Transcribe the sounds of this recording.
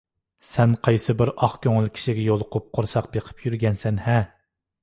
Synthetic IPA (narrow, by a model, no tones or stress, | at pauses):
sɛnqʰɑjsɨbɪɾɑχkʲʰøŋɪlˠkʲʰi̥ʃiɡʲɛjolˠʊqʰʊp̚qʰoɾsɑq̚beqʰə̥pʰjyɾɡʲɛnsɛnhɛ